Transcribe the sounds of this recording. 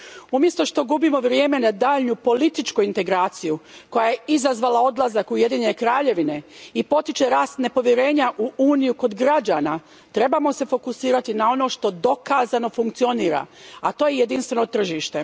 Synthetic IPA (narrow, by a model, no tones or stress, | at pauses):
umje̞st̪o̞ʃt̪o̞ɡubimo̞ʋɾjeːme̞nad̪aːʎɲupo̞lit̪it͡ʃkuint̪e̞ɡɾaːt̪sijuko̞jaje̞izazʋaːlao̞d̪lˠazakuje̞d̪iːɲenekɾaːʎe̞ʋine̞ipo̞t̪it͡ʃe̞ɾaːst̪ne̞po̞ʋjeɾe̞ːɲaʔuuːnijuko̞d̪ɡɾad͡ʒaːna | t̪ɾe̞bamo̞se̞fo̞kusiːɾat̪inao̞no̞ːʃt̪o̞d̪o̞kaːzano̞fuŋk̚tsio̞niːɾa̰at̪o̞ːjeje̞d̪inst̪ʋe̞no̞t̪r̩ʒiʃt̪e̞